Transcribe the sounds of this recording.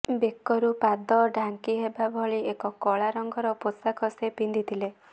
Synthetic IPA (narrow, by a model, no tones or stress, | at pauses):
bekːɔɾupad̪ɔɖʱaŋkiɦebabʱɔɭiekɔkɔɭaɾɔŋɡɔɾɔposakʰɔsepind̪it̪ʰile